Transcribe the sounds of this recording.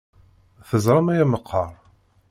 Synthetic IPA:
θəzˤɾˤɑmæjæməqʰːɑɾˤ

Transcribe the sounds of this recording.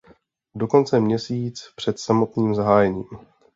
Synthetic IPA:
do̞ko̞nt͡sɛmɲɛsiːt͡spr̥ɛt̪samo̞t̪niːmzaɦaːjɛɲiːm

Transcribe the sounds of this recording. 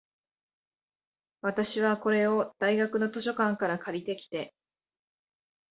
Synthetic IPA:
βat̪aɕiβako̞ɾe̞o̞d̪̥aiɡakɯ̟no̞t̪o̞ɕo̞kãŋkaɾakaɾʲit̪e̞kʲi̥t̪e̞

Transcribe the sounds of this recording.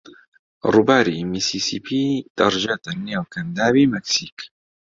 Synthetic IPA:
rubaːɾimiːsiːsipʰiːd̪̥ɐɾʒat̪anːewkɐnd̪aːbiːmɛksiːk

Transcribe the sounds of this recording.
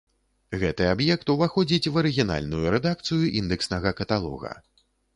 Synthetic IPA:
ɣɛt̪ɨabjɛk̚t̪uvaxɔd͡zʲit͡sʲvɐɾɨɣʲina̰lʲnujuɾɛd̪akt̪sɨjuʔind̪ɛksnɐɣɐkɐt̪alˠɔ̰ɣɐ̰

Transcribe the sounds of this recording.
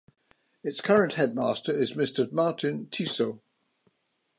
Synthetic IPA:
ɪtskʰʌɹə̃nʔhɛd̚mɑˑstəɹɪzmɪstəmɑˑtɪ̃ntʰiˑsoʊ

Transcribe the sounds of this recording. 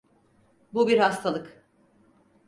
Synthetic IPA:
bubiɾhast̪ʰalˠɯk

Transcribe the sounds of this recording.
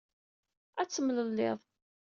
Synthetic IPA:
æt͡sːəmləlːɪðˤ

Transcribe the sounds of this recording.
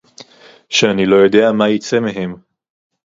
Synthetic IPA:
ʃeanilo̞jo̞de̞amajit͡se̞meɦe̞m

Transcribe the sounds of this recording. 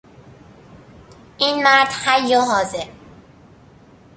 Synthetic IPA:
ʔiːnmæɾd̪̥hæjːɒɦɒːzeɾ

